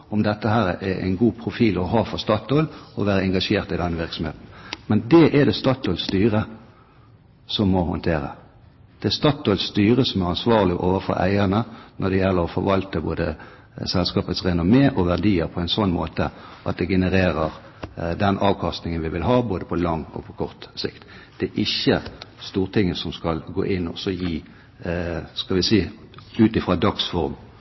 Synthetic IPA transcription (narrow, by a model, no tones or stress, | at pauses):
ɔmd̪ɛt̪ːəhæːɾɛʔɛæ̰ɪnɡuːpʰɾʊfiːlɔɦɑːfɔɾst̪ɑt̪olɔʋæːʁəɛŋɡɑʂeːʁt̪ɪd̪ɛnːəʋɪʁksɔm̩hḛːt̪n̩mɛnd̪ɛʔɛd̪ɛst̪ɑːt̪olst̪yːʁə | sɔmːɔhʊ̰nt̪ʰeːɾə̰ | d̪̥ɛɛst̪ɑːt̪olst̪yːʁəsɔmæʁɑnsʋɑːʁlɪʔoːʋəɾfɔ̰ɾʔæ̰ɪənənʔɔd̪ɛjɛlːəɾɔfɔɾʋɑlt̪əbo̰ːd̪ə̰ | sɛlskɑːpət̪sʁɛnɔmeːʔɔʋæʁd̪iːəɾpʰɔæɪnsɔnːmoːt̪ə̰ʔɑt̪̚d̪ɛɡɛnəʁeːɾəʁ | d̪ɛnʔɑːʋkʰɑst̪nɪŋənʋɪʋɪlɦɑːboːd̪əpʰɔlɑŋːɔ̰pʰɔkʰɔʁt̪sɪ̰kt̪d̪̥ɛːʔɪçəst̪uːʁt̪ʰɪŋːəsɔmskɑlɡo̰ːʔɪnːɔsɔjiː | skɑlʋɪsiː | ʉːt̪ɪfʁɑːd̪ɑksfɔʁm